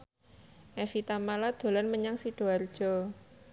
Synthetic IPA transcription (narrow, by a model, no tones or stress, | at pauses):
ʔɛfit̪amalad̪̥o̤lanməɲaŋsiɖ̥o̤ard̥ʒ̥ɔ